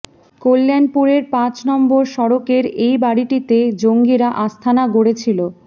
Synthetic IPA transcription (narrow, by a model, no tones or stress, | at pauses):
kolːanpuɾeɾpãt͡ɕnɔmboɾʃɔɾokeɾejbaɽiʈit̪ed͡ʑoŋɡiɾaʔast̪ʰanaɡoɽet͡ɕʰilo